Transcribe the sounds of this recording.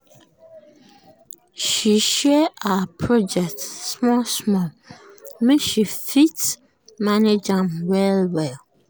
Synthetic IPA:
ʃiʃɛapʰɹɔd͡ʒɛk̚tsmɔlsmɔ̃l | mĩʃifit | maned͡ʒãmwɛlwɛl

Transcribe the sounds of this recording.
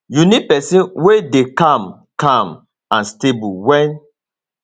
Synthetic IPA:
junipɛsĩnwedekãm | kãm | ãnstebuwɛ̃n

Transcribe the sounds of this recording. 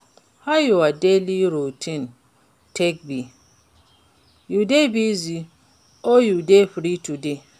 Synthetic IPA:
hajuadeliɾutʰĩn | tʰek̚bi | judebizi | ojudeɸɾitude

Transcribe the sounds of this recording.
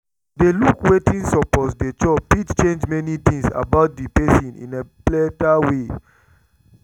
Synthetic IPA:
delukwetĩnsɔpɔsdet͡ʃɔppitt͡ʃẽnd͡ʒmɛnitĩŋsa̰baʊt̚dipɛsĩnḭ̃neplɛtawe

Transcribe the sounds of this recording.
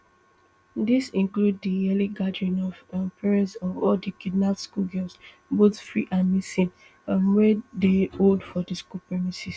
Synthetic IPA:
disĩnkluddijɛliɡadɹĩnɔvpʰɛɹɛ̃ntsɔvɔldikidnaskulɡɛs | botfɹḭʔãnːisĩn | amwɛdeoldfɔdiskupɹɛmisis

